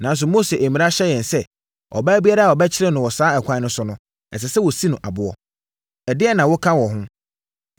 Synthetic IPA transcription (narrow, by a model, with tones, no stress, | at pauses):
nã˨ns̬ʊ˨mo˦se˨ʔæ˨mĩ˨a˦ɕɛ˦jɛ̃˨nsɛ˦ | ɔ̰˨bæː˦bi˦a˦ɾa˦a˨ɔ˨bɛ˦t͡ɕʰɪ˦ɾɛ˦nʊ̃˨wɔ˨saː˦ɛ˨kʷʰã˦nʊ̃˦sʊ˦nʊ̃˦ | ɛ̰˨s̬ɛ˨sɛ˦wɔ˨si˦nʊ̃˨ʔa̰˨bʊ˨ɔ˦ | ɛ˨dɪ˦ɛ˦nã˨wʊ˦kʰã˦wɔ˨ɦʊ̃˦